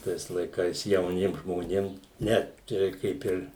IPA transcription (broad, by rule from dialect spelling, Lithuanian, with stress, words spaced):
ˈtɐɪs lˠɐɪˈkɐɪs jɛʊˈnʲiɛm ʒmoːˈnʲeːm ˈnʲɛ ˈt͡ʃʲɛ rʲɛɪk ˈkɐɪp ɪr